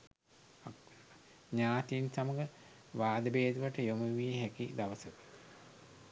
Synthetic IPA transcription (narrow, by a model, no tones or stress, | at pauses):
ɲaːt̪insamɐɡə | ʋaːd̪əbeːd̪uʋaʈəjomuʋijeɦækid̪aʋəsəkə̥